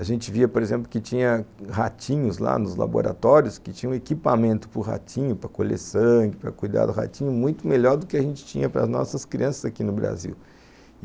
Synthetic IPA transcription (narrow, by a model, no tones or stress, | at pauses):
aʒẽnt͡ʃɪviɐpoɾezẽmplʊkɪt͡ʃĩɲɐɦat͡ʃĩɲʊzla̰nʊzla̰bo̰ɾat̪ɔɾjʊskɪt͡ʃĩɲɐ̃ũekipamẽnt̪ʊ̥pʊɦa̰t͡ʃĩɲʊpɾɐkoʎḛsɐ̃ɡɪpɾɐkujd̪a̰d̪ʊɦa̰t͡ʃĩɲʊmũj̃t̪ʊmeʎɔɾd̪ʊkɪaʒẽnt͡ʃɪ̥t͡ʃḭ̃ɲɐpɾɐ̰znɔ̰sɐskɾiɐ̃sɐzakinʊbɾa̰zḭw